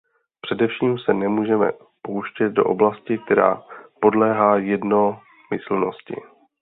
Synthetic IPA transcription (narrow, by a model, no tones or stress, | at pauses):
pr̥ɛdɛfʃiːmsɛnɛmuːʒɛmɛ̰ | powʃcɛt̪̚do̞̰ʔo̞blascɪk̚t̪ɛɾa̰ːpo̞dlɛːɦaːjɛdno̞ | mɪsl̩no̞scɪ̰